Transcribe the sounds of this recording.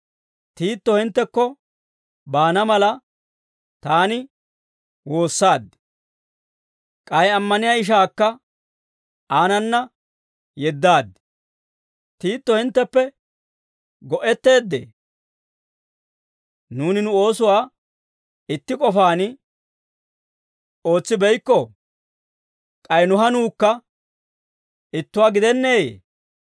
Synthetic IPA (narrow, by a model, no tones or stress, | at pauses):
t̪iːt̪ːɔhɪnt̪ːɛkːɔ | baːnɐmɐlɐ | t̪aːnɪ | wo̞ːsːaːd̪ | kʼɐjɛɐmːɐnɪjaɪʃ̬aːkːɐ | aːnɐnːɐ | jɛd̪ːaːd̪ | t̪iːt̪ːɔhɪnt̪ːɛpːɛ | ɡɔʔɛt̪ːe̞ːd̪ːḛː | nuːnɪnʊo̞ːsʊwaː | ɪt̪ːɪkʼɔfaːnɪ | o̞ːt͡sːɪbɛjkːɔ | kʼɐjnʊɦɐnuːkːɐ | ɪt̪ːʊwaːɡɪd̪ɛnːeːḛ